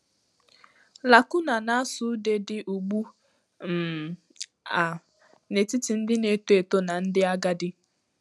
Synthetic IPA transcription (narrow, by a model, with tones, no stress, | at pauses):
la˨kʊ˦na˨na˦a˦sʊ˨˦de˦dɪ˦ʔu˨ɡ͡bu˦ | m̩˨ | a˨ | ne˨ti˦ti˨n̩˦dɪ˦ne˨˦to˦e˨to˦na˨n̩˦dɪ˦a˦ɡa˦dɪ˦